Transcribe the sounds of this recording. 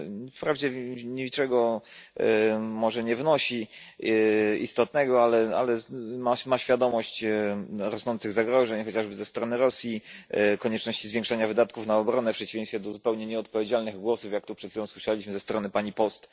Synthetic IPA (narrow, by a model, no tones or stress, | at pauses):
fpɾavd͡ʑɛɲiit͡ʂɛɡɔ | mɔʐɛɲɛvnɔɕi | ḭst̪ɔt̪̚nɛɡɔalɛa̰lɛmamaɕfʲjad̪ɔmɔɕt͡ɕ | ɾɔsnɔnt̪sɘɣzaɡɾɔʐɛɲxɔt͡ɕaʐbɘzɛst̪ɾɔnɘɾɔsʲjikɔɲɛt͡ʂnɔɕt͡ɕizvʲɛ̃ŋkʂaɲavɘd̪at̪kufnaɔbɾɔnɛfpʂɛt͡ɕivʲẽjst̪fʲɛd̪ɔzupɛwɲɛɲɛɔt̪̚pɔvʲjed͡ʑalnɘɣɡwɔsufjak̚t̪upʂɛt̪fʲibɔ̃w̃swɘʂɛlʲiɕmɘzɛst̪ɾɔnɘpaɲipɔst̪